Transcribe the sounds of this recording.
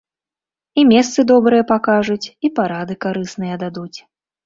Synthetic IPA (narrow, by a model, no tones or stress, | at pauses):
imʲɛst̪sɨd̪ɔbɾɨjɐpakaʐut͡sʲipaɾad̪ɨkaɾɨsnɨjɐd̪ad̪ut͡sʲ